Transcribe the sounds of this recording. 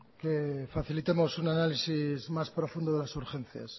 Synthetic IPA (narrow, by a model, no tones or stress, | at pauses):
kefaθilit̪emosunanalisizmaspɾofũnd̪oðelasuɾxen̟θja̰s